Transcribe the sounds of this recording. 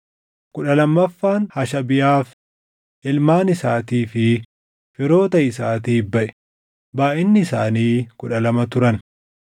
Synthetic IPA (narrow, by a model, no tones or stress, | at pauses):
kʊᶑɐlɐmːɐfːaːnhɐʃɐbɪjaːf | ʔɪlmaːnɪsaːt̪iːfɪ | fɪɾo̞ːt̪ɐɪsaːt̪iːbɐʔɛ̥ | baːʔɪnːɪːsaːniːkʊᶑɐlɐmɐt̪ʊɾɐn